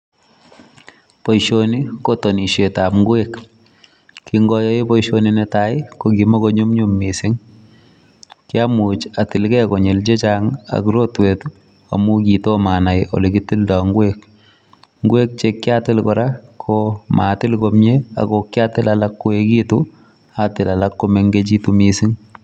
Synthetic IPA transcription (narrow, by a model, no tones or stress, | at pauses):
pojʃonikotoniʃetapŋɡwekː | kiŋɡɔjɔipoiʃoninetaɪkokimokoɲumɲumːisɪŋ | kjamut͡ʃatɪlkɛkoɲelt͡ʃet͡ʃaŋa̰kɾotwetu | a̰mukitomanajo̰liɡitɪldaŋɡwek̚ | ŋɡwek̚t͡ʃekːɪatɪlkɔɾakʰoma̰tɪlkomɲea̰ɡokːatɪlalakːoekitu | atɪlalakːomeŋɡet͡ʃitumisɪŋ